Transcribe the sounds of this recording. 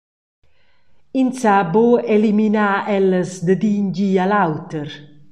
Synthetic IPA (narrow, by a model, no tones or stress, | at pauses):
insaboeliminaɛlːəzd̪əd̪iɲɟialawt̪əɾ